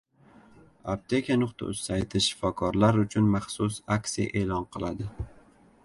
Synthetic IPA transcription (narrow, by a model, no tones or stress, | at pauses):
ap̚t̪ʰe̞kʰʲanʊqt̪ʰa̰ʊsajt̪ʰɪʃɪ̥fɒkʰɒɾlaɾʊt͡ʃʰʊnmaχsʊsaksija̰ʔe̞ːlɒnqʰɨlˠad̪ɪ